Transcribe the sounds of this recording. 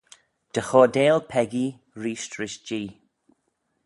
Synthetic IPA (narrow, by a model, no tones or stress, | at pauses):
d̥əxɔːdeːlpʰɛɡi | ɹiːʃtɹɪʃd͡ʒiː